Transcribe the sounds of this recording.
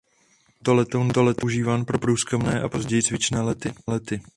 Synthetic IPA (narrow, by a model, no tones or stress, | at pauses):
t̪olɛt̪ond̪olɛt̪oʒiːvaːnpɾo̞pɾuːskɛmnɛːʔapo̞zɟɛjt͡svɪt͡ʃnɛːlɛt̪ɪlɛt̪ɪ